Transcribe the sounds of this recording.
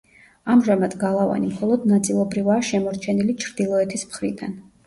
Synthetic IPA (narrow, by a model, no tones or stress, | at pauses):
amʒamad̪̥ɡalˠava̰nimχɔlˠɔd̪nat̪sʼilˠɔbɾivaːʃɛmɔɾt͡ʃʰɛnilit͡ʃʰɾd̪ilˠɔɛt̪ʰismχɾid̪an